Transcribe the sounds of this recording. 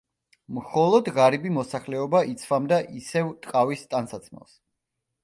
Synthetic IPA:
mχɔlˠɔd̪ʁaɾibimɔsaχlɛɔbaʔit̪sʰvamd̪aʔisɛvt̪ʼqʼavist̪ʼansat̪sʰmɛ̰lˠs

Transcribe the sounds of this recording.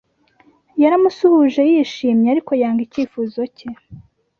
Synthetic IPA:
jaɾamusuhuʒe̞jiʃiːmɲeaɾiko̞jaːŋɡiciːfuzo̞ce

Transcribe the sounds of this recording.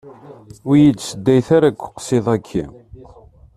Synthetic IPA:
ʊjid̪səd̪ːæjθaɾaɡʷːə̥qsiðˤækʰːḭ

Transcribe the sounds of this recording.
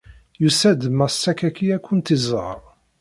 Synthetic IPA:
jusæd̪əmæsːækækiækʷːʊnt̪izˤə̰ɾˤ

